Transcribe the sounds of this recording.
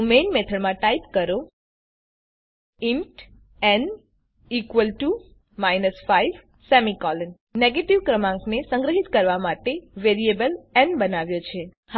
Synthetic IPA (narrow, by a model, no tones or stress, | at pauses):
menmet̪ʰəɭmãʈaipkəɾo | iɳʈ | ɛn | ikʋəlʈu | majnəsfaiʋ | sɛmikɔlənːeɡeʈiʋkɾəmãŋknesə̃ŋɡɾəɦit̪kəɾʋamaʈeʋeɾiebəlɛnbənaʋjot͡ʃʰe | h